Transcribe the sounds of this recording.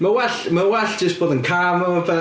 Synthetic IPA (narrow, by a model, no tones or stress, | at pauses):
məwɛɬməwɛɬd͡ʒ̥əsb̥oːðənkʰamɔvɛ